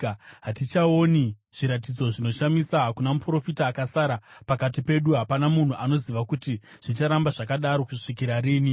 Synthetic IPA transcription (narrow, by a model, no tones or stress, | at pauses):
ɦatit͡ʃaoniʐ̥iɾatid͡zo̞ʐino̞ʃamisaɦakunamupro̞fitaːkasaɾapakatipe̞ɗuɦapanamun̤uʔano̞ziʋakuti | ʐ̥it͡ʃaɾambaʐakaɗaɾo̞kuʂikiɾariːni